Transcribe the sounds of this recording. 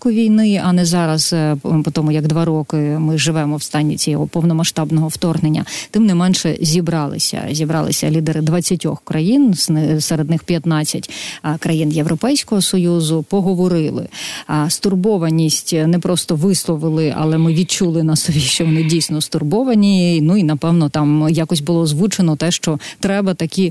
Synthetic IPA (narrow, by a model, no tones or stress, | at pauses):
kʊʋʲijnɪɐnɛzɑɾɐzpɔt̪ɔmʊjɐɡd̪ʋɑɾɔkɪmɪʒɪʋɛmɔwst̪ɑnʲːḭt͡sʲijɔɦɔpɔwnɔmɐʃt̪ɑbnɔɦɔwt̪ɔrɦnenʲːɐ̰t̪ɪmnɛmɛnʃɛ̰zʲibɾɑlˠɪ̰sʲɐ̰zʲibɾɑ̰lˠɪ̰sʲɐ̰lʲid̪eɾɪd̪ʋɐt͡sʲːɐtʲɔ̰xkɾɐjinsɪsɛɾed̪nɪxpʲjɐt̪nɑt͡sʲːɐtʲkɾɐjinjewɾʔɔpɛjsʲkɔɦɔsɔjuzʊpɔɦɔʋɔɾɪlˠɪ̰st̪ʊrbɔʋɐnʲisʲtʲnɛpɾɔst̪ɔʋɪslˠɔʋɪlˠɪɐ̰lˠɛmɪʋʲid̪̚t͡ʃulˠɪnɐsɔʋʲiʃt͡ʃɔʋɔnɪdʲijsʲnɔst̪ʊrbɔʋɐnʲinuinɐpɛwnɔt̪ɑmjakɔsʲbʊlˠɔzʋut͡ʃenɔt̪ɛʃt͡ʃɔt̪ɾɛbɐt̪ɐkʲi